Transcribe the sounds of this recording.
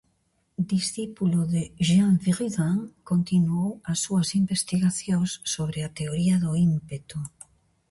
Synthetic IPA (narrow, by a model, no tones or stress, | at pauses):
d̪isθipuloðeʒaɱfiʁiðaŋkont̪inuowasːuasimbest̪iɣaθjõŋsːoβ̞ɾeat̪eoɾiaðoimpet̪u